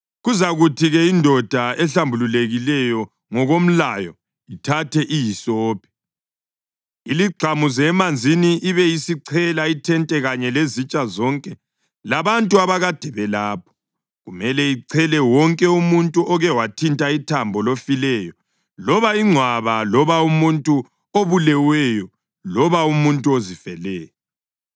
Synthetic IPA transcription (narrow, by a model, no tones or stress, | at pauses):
ɣuzaɣutʰiɣɛindʱɔd̥ʱaɛɬambʱululeɣilɛjɔ | ŋɔɣom̩lajɔ | itʰatʰɛʔijisɔːpʰi̥ | iliɡ͡ǀʱamuzɛmand͡zʱiniʔiβɛisiǀʰɛlaitʰɛntʼɛɣaɲɛlezit͡ʃʼazɔŋkʼɛ | laβantʼuaβaɣad̥ʱɛβɛlaːp̚ʰɔ̥ | ɣumɛlɛiǀʰɛlɛwɔŋkʼɛumuntʼuʔɔɣɛwatʰintʼaitʰambʱɔlofilɛjɔ | lɔβaiŋ͡ǀʱwaβalɔβaumuntʼu | oβulɛwɛjɔ | lɔβaumuntʼuozifɛlɛːjɔ